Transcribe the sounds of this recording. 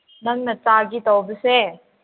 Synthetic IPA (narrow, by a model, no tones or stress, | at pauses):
nɐŋnɐt͡saɡitawbəse